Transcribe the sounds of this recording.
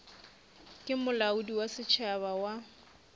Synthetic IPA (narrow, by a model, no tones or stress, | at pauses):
kʼɪmʊlaʊdiwasɪt͡ʃʰaβawa